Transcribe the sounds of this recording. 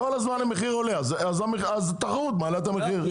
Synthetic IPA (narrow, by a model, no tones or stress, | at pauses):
olazmanameχiʁoleaz | azameazt̪aχʁut̪maːlat̪ameχiʁ